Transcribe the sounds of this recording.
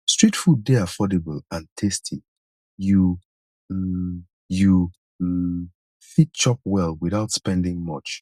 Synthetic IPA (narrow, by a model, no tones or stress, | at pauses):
stɹ̥itfudeafɔdebəlãntʰestʰi | ju | ju | fit̚t͡ʃɔp̚wɛlˠwiθaʊtspɛ̃ndɪ̃ŋmʌt͡ʃ